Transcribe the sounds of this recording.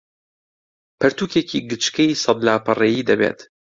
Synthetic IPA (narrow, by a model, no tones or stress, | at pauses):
pʰɐɾt̪uːkʰekʰiːɡɨt͡ʃkɛiːsɑd̪laːpɨrejiːd̪ɐbḛːt̪